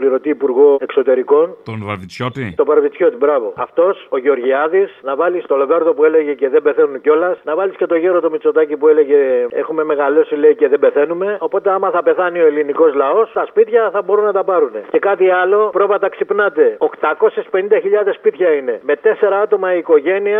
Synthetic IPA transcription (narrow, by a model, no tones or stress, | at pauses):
pliɾo̞t̪iːpuɾɣo̞ekso̞t̪e̞ɾiko̞n | t̪st̪o̞vɐɾvit͡sço̞t̪ibɾɐvo̞ɐft̪o̞so̞ʝeo̞ɾʝiɐðisnɐvɐlist̪o̞loveɾðo̞pue̞le̞ʝe̞ce̞ðebe̞θenunco̞lɐsnɐvɐlisce̞t̪o̞ʝeɾot̪o̞mit͡so̞t̪ɐcipue̞le̞ʝe̞e̞̰xume̞me̞ɣɐlo̞sileiceðe̞be̞θe̞nume̞o̞po̞t̪e̞ɐmɐθɐpe̞θɐnio̞eliniko̞zlɐo̞st̪ɐspit̪çɐθɐbo̞ɾunːɐt̪ɐpɐɾune̞ce̞kɐt̪iɐlo̞pɾo̞vɐt̪ɐksipnɐt̪e̞o̞kt̪ɐko̞sespe̞nind̪ɐçiʎɐðe̞spit̪çɐine̞me̞t̪e̞se̞ɾɐɐt̪o̞mɐiːko̞ʝe̞niɐ